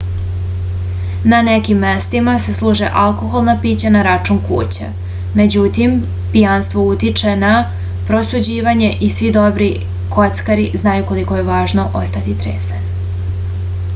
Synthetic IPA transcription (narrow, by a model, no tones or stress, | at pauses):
nanekimːe̞st̪imase̞slˠuːʒḛʔalko̞xolˠnapiːt͡ɕanaɾat͡ʂuːnkṵːt͡ɕḛ | me̞d͡ʑut̪im | pijanst̪ʋo̞ut̪it͡ʃe̞na | pɾo̞sud͡ʑiːʋaɲe̞ʔisʋid̪o̞bɾi | kʰo̞t̪skaɾiznaːjuko̞likoje̞ʋaːʒno̞ʔo̰st̪at̪it̪ɾḛːsani